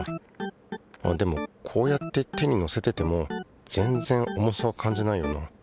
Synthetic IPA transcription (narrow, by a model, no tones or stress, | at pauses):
a̰d̪e̞mo̞kʰo̞ːjat̪ːe̞t̪e̞ɲ̟ino̞se̞t̪e̞t̪e̞mo̞ | d͡z̥ẽ̞nd͡zẽ̞ŋo̞mo̞saːkʰãɲ̟d͡ʑinaijona